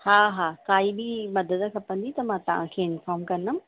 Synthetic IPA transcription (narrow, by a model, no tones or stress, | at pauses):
haːɦaːkaːibimɐd̪əd̪ə̆kʰɐpɐ̃n̆d̪it̪ɐmãt̪ɐʋ̤ãkʰeːɪnfɔːɾmkɐnəm